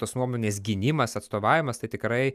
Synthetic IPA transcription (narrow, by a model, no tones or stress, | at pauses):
t̪oːsnuɔmoːnʲeːs̬ɡʲɪnʲɪmɐsɐt̪st̪oːʋɑːʋʲɪmɐst̪ɐɪt̪ʲɪkɾɐɪ